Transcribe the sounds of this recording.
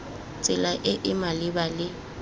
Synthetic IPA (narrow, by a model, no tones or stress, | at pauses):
t͡sʼɪlaʔɪʔɪmalɪbalɪ